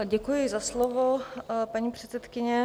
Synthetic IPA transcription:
ɟɛkujɪzaslovopaɲiːpr̝̥ɛt̪t͡sɛt̪kɪɲɛ

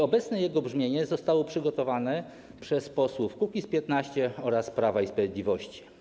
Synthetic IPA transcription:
ɔbɛt̪snɛjɛɡɔbʐmʲjeɲɛzɔst̪awɔpʂɘɡɔt̪ɔvanɛ | pʂɛspɔswufkukʲispʲjɛt̪naɕt͡ɕɛɔɾaspɾavaispɾavʲjed̪lʲivɔɕt͡ɕi̥

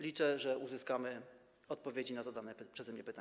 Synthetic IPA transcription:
lʲit͡ʂɛʐɛʔuzɘskamɘ | ɔt̪̚pɔvʲjed͡ʑinazad̪anɛpʂɛzɛmɲɛpɘt̪a

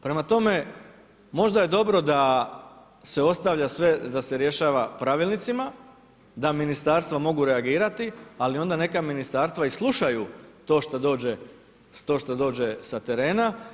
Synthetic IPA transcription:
pɾe̞mat̪o̞me̞ | mo̞ʒd̪aje̞d̪o̞bɾo̞d̪a | se̞o̞st̪aʋʎasʋe̞d̪ase̞ɾje̞ʃaːʋapɾaʋilˠnit̪sima | d̪aminist̪aːɾst̪ʋamo̞ɡuɾe̞aɡiːɾat̪ialio̞nd̪ane̞kaminist̪aːɾst̪ʋaislˠuʃajut̪o̞ːʃt̪ad̪o̞ːd͡ʑe | t̪o̞ːʃt̪ad̪o̞ːd͡ʒe̞sat̪e̞ɾe̞ːna

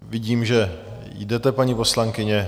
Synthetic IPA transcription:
vɪɟiːmʒɛ | jdɛt̪ɛpaɲipo̞slaŋkɪɲɛ

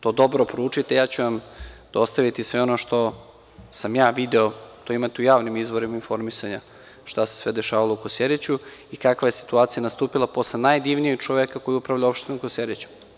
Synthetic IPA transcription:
t̪o̞ːd̪o̞bɾopoɾuːt͡ʃit̪ejaːt͡ɕuʋamd̪̥o̞st̪aʋit̪isʋeo̞noʃt̪o̞ | samjaːʋid̪eot̪oimat̪eujaːʋnimizʋo̞ɾimainfo̞ɾmisaɲa | ʃt̪ase̥sʋed̪eʃaːʋalˠoukosjeɾet͡ɕuikakʋajesi̥t̪uaːt̪sijanast̪uːpilˠapo̞slenajd̪iʋnijeɡ̚t͡ʃoʋekako̞jiupɾaʋʎao̞pʃt̪inukosjeɾet͡ɕu̥

